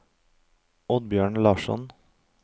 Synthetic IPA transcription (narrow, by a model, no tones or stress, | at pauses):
ɔd̪̚bjøːɳlɑːʃɔ̰n